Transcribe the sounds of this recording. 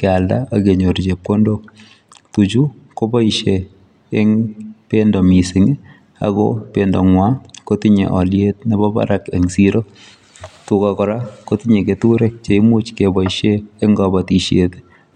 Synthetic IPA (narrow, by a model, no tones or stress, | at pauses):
kɛaldaaɡeɲoɾd͡ʒep̚kondo | tud͡ʒu | kobɔiʃeː | ŋpendɔmisɪŋ | a̰ɡɔ̰pendɔŋwakotiɲḛʔɔljet̚nɛbɔba̰ɾakḛŋsiɾo | tukakɔɾakotiɲeketuɾɛk̚t͡ʃeɪmut͡ʃkebɔiʃeːŋɡɔbatiʃetɪ̥